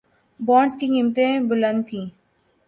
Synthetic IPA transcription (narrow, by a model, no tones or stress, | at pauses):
bɔ̃ːɳsk̪iːkɪmt̪ẽːbʊlənd̪̚t̪ʰĩː